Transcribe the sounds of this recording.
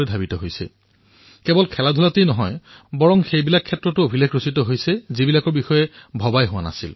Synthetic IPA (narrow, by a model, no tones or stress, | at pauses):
ɛdʱabitɔɦojsɛ̰ | kɛbɔlkʰɛladʱulatejnɔɦɔjbɔɹɔŋxejbilakʰːɛtːɹɔtʊobʱilakɹositɔɦojsɛzibilakɔɹbixɔjɛbʱɔbajɦʊwana̰sil